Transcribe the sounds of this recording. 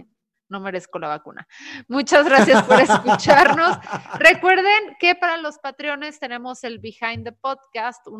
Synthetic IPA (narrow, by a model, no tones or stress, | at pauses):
no̞me̞ɾe̞sko̞laβakṵna̰mut͡ʃazɣɾasjaspo̞ɾe̞skut͡ʃaɾno̞sre̞kwe̞ɾð̞e̞ŋke̞paɾalo̞spat̪ɾjo̞ne̞st̪e̞ne̞mo̞se̞lβixajnd̪epo̞ðkast̪u